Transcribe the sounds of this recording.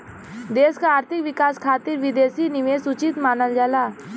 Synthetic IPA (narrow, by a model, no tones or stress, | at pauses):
d̪eːskaaːɾt̪ʰɪkʋɪkaːskʰaːt̪ɪɾʋɪd̪eːsinɪʋeːsʊt͡ʃɪt̪maːnəld͡ʒaːlaː